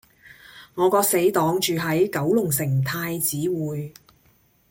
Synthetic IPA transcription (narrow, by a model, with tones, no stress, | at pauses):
ŋɔː˨˧kɔː˧k̚se˨˥jt̪ɔː˨˥ŋt͡ʃyː˨ɦɐ˨˥jkɐ˨˥wlʊ˨˩ŋsɪ˨˩ŋt̪ʰaː˧jt͡siː˨˥wuː˨j